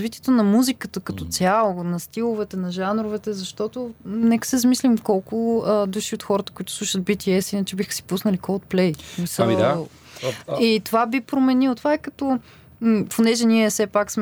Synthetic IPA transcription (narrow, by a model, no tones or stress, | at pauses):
zvit̪iɛt̪onɐmuzikət̪əkɐt̪ɔt̪sʲjalˠonɐst̪ilˠovɛt̪ɛnɐʒanɾovɛt̪ɛzɐʃt̪ɔt̪onɛkə̥sɛzɐmislimkɔlˠkʊəd̪uʃiot̪xɔɾət̪ə̥kʊit̪ʊ̥slˠuʃəd̪̚bit̪iɛsinət͡ʃɛbixə̥si̥pusnəlikɔt̪̚plɛjsmisə | it̪ovabipɾomɛnilˠot̪ovaikɐt̪ɔ | ponɛʒɛniɛsɛpaksm